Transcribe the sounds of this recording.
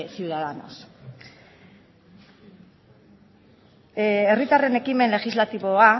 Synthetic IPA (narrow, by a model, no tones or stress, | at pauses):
siuðaðano̞̰s | erit̪are̞ne̞kime̞nle̞xizlat̪iβo̞a